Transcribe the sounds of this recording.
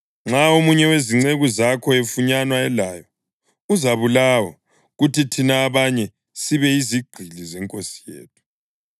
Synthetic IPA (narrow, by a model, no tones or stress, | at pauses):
ŋ͡ǁaomuɲɛweziŋ͡ǀeɣuzakʰɔefuɲanwaɛlajɔ | uzaβulawɔ | ɣutitʰinaːβaɲɛ | siβɛiziɡ͡ǃ̥ʱilizɛŋkʼosi̥jḛːt̚ʰu̥